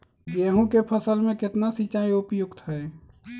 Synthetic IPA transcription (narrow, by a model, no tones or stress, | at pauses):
beɦũkepʰəsəlmẽkɪt̪nasit͡ʃaiupjʊɡt̪ɦəe